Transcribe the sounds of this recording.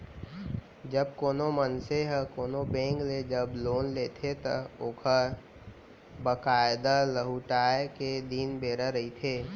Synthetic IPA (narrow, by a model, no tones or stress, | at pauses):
d͡ʒəb̚koːnomənseɦəkoːnobẽːŋkled͡ʒəbloːnleːt̪ʰet̪əokʰə | bəkaːɪd̪aləɦuʈaːeked̪inbeːɾəɾəɦit̪ʰeː